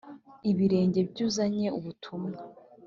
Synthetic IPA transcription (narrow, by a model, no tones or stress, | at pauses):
iβiɾe̞ːɲɟe̞bɟuːzaɲe̞uβutʰumŋa